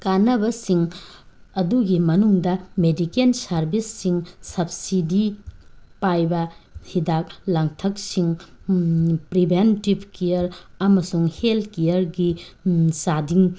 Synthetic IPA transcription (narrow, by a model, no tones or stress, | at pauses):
kanɐbɐsiŋ | ɐduɡimɐnuŋdɐmedikensɐɾbʱisːiŋsɐb̚sidi | pajbɐhidak̚laŋtʰɐk̚siŋ | pɾibʱentibkijɐɾɐmɐsuŋheltʰkejɐɾɡisadiŋ